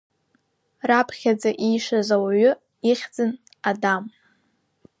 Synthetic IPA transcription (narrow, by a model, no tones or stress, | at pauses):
rapʰχʲad͡zaʔijʂazawaɥʊ | iχʲd͡zɨn | adam